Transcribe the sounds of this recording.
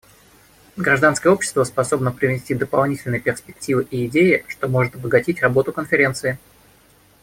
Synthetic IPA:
ɡɾɐʐd̪anskəjəo̞pɕɪ̥st̪vəspɐso̞bnəpɾʲɪvʲɪsʲtʲid̪əpɐlˠnʲitʲɪlʲnɨjəpʲɪrspʲɪk̚tʲivɨʔiɪdʲejɪʂt̪o̞mo̞ʐɨt̪ɐbəɡɐtʲitʲrɐbo̞t̪ʊkənfʲɪɾʲe̞nt̪sɨɪ

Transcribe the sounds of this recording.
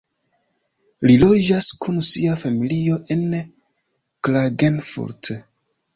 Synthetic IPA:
lilo̞d͡ʒaskʰunsiafamilio̞ʔe̞n | klaɡenfṵɾt

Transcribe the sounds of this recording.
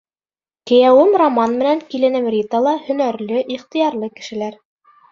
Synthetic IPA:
kɘ̆jæwɘmromɑnmɘ̆næŋkilɘ̆nɘmrʲit̪əlˠɑhɵ̆næɾlɵʔiχt̪ĭjɑɾlˠɤkɘ̆ʃɘ̆læɾ

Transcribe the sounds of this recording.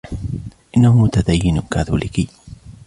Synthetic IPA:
ʔɪnːahʊmʊt̪ad̪ajːɪnʊkaːθulʔɪki

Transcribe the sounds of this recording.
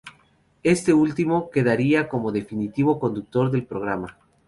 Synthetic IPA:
e̞st̪e̞ult̪imo̞ke̞ðaɾiako̞mo̞ðe̞finit̪iβo̞ko̞nd̪uk̚t̪o̞ɾðe̞lpɾo̞ɣ̞ɾama

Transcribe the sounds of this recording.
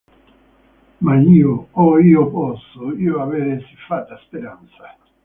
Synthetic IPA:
maniooioposoioaβeɾesifat̪ːaspeɾansḁ

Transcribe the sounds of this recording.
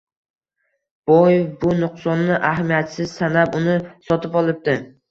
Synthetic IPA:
b̥ojbʊnʊqsɒnːɪʔaɦamijat̪sɪz̥sanapʊnɪsɒt̪ʰɪpɒlˠɪp̚t̪ɪ

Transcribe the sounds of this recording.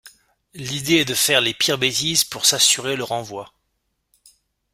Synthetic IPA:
lid̪eɛd̪əfɛʁlepiʁbet̪izpuʁsasyʁeləʁɑ̃vwa

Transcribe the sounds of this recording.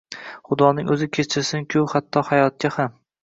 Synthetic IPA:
χʊd̪ɒnɪŋɵzɪkʲʰet͡ʃʰɪɾsɪŋkʲʰʊhat̪ʰːɒhajɒt̪̚kʲaham

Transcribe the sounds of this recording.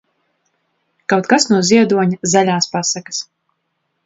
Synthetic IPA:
kawt̪̚kasnuɔziɛd̪uɔɲazalʲaːspasakas

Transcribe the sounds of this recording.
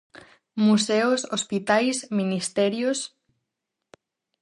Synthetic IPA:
museosospit̪ajsminist̪ɛɾjos

